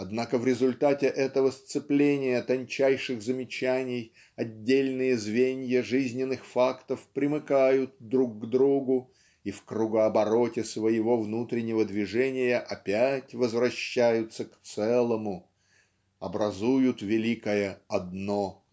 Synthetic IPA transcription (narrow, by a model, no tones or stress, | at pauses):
ɐd̪nakəvɾʲɪzʊlʲt̪atʲɪʔɛt̪əvəst̪sɨplʲenʲɪjət̪ɐnʲt͡ɕæjʂɨɣzəmʲɪt͡ɕænʲɪj | ɐdʲːelʲnɨjəzvʲenʲjəʐɨzʲnʲɪnːɨxfakt̪əfpɾʲɪmɨkajʊt̪̚d̪ɾuk̚ːd̪ɾuɡʊ | ifkɾʊɡəɐbɐɾo̞tʲɪsvəjɪvo̞vnut̪ɾʲɪnʲːɪvəd̪vʲɪʐɛnʲɪjəʔɐpʲætʲvəzvɾɐɕːæjʊt̪səkt̪sɛlˠəmʊ | ɐbɾɐzujʊt̪vʲɪlʲikəjəɐd̪no